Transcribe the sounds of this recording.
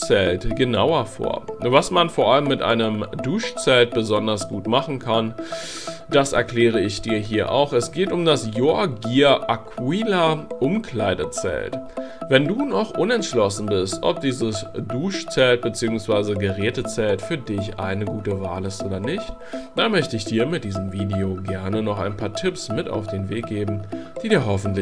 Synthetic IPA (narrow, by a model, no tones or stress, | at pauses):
t͡sɛltɡ̥ənaʊɐfo̰ːɐvasmanfoːɐʔaləmːɪtʔa̰ɪnəmduːʃt͡sɛlt̚b̥əzɔndɐsɡ̥uːtmaχn̩kʰan | d̥asɛ̰ɐkl̥ɛːʁ̞əɪçd̥iːɐɦiːɐʔa̰ʊxɛsɡ̥eːtʊmdasjoːɐɡiːɐʔakʰwiːlaʔʊmkl̥aɪdət͡sɛ̰ltvɛnduːnɔχʔʊnɛntʃlɔsn̩bɪstʔɔ̰p̚d̥iːzəsd̥uːʃt͡sɛlt̚b̥ət͡siːʊŋsv̥aɪzəɡəʁɛːtət͡sɛltfyːɐdɪçʔa̰ɪnəɡuːtəva̰ːlɪstʔoːdɐnɪçt | d̥anmœçtəɪçd̥iːɐmɪt̚d̥iːzəmviːdeoɡɛɐnənɔχa̰ɪnpʰaːɐtʰɪpsmɪta̰ʊfd̥eːnveːk̚ɡ̥eːbm̩ | d̥iːdiːɐɦɔfn̩tl